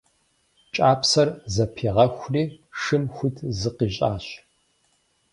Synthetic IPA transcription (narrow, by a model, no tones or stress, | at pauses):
t͡ʃʼaːpʰsɐrzɐpʰiːʁɐxʷriːʂɨmxʷʊtʰzɨqiːɕʼaːɕ